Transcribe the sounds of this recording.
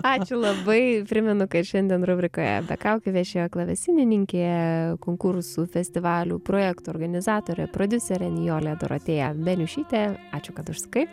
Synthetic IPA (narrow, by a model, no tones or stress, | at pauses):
ɑːt͡ʃʲʊlˠɐbɐɪpʲɾʲɪmʲɛnʊkɐtʃʲɛnʲd̪ʲiɛnɾʊbʲɾʲɪkoːjɛ̰bʲɛ̰kɑʊkʲɪʋʲɛʃʲejoklˠɐʋʲɛsʲɪnʲɪnʲɪŋʲkʲeːkoːŋkʊɾsuːfʲɛsʲt̪ʲɪʋɑːlʲṵːpɾoːjɛkt̪uɔːrɡɐnʲɪzɑːt̪oːɾʲɛ̰pɾoːd̪ʲʊsʲɛɾʲɛnʲjoːlʲeːd̪o̰ɾo̰t̪ʲeːjɛbʲɛlʲʊʃʲiːt̪ʲɛɑːt͡ʃʲʊkɐt̪ʊʃsɐ̥kɐɪ